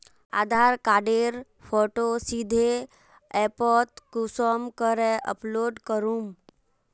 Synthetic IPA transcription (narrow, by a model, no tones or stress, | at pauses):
a̰d̪ʱaɾkaɖeɾ | pʰɔʈosid̪ʱe | ɛpɔt̪kusɔmkəɾɛʔə̰ploɖkəɾum